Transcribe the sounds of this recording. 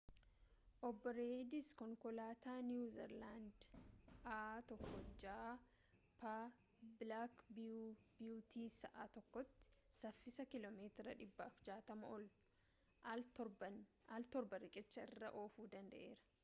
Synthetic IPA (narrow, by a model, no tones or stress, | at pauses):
ʔɔbːɔɾejd̪ɪskɔŋkɔlaːt̪aːnuːzɛ̰ɾland̪ʔaːt̪ɔkːɔd͡ʒaː | pa | blaːkbb̥juːt̪iːsɐʔaːt̪ɔkːɔt̪ːɪ̥sɐfːɪsɐkɪlɔmeːt̪ɾɐᶑɪbːɐːfd͡ʒaːt̪ɐmɐɔl | ɔalt̪ɔɾbɐɾɪkʼɪt͡ʃːɐɪrːɐʔo̞ːfuːd̪ɐnd̪ɐʔe̞̰ːɾɐ̥